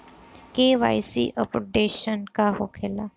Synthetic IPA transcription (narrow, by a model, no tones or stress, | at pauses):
keːʋa̰ːjsḭʔəpoɖeːʃənkaɦokʰeːlaː